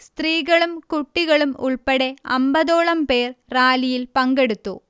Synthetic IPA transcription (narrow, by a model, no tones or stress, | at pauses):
st̪riːɣɐɭumkuʈːiɣɐɭumṵɭpeɽe̞ɐ̰mbɐðo̞ːɭɐmpe̞ːrraːlijilpɐŋɡe̞ɽut̪ːu